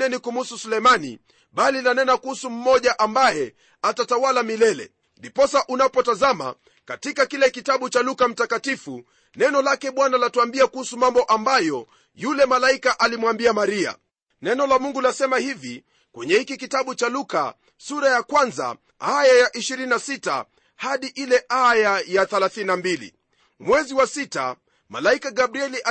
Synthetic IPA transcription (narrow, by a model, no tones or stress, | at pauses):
ɛnikum̩hususulɛjmanḭ | ɓalinanɛnakuhusum̩mɔʄaʔambajɛ | atatawalamilɛlɛ̰ | ndipɔsaʔunapɔtazama̰ | katikakilɛkitaɓut͡ʃalukam̩takatifu | nɛnɔlakɛɓwanalatuambiakuhusumambɔʔambajɔ | julɛmalaikaʔalimwambiamaɾia̰ | nɛnɔlamuŋɡulasɛmahivi | kwɛɲɛhikikitaɓut͡ʃaluka | suɾajakwanza̰ | ajajaʔiʃiɾininasita̰ | haɗiʔilɛʔajajaθɛlaθininambilḭ | mwɛziwasita̰ | ma̰laikaɡabɾiɛliʔa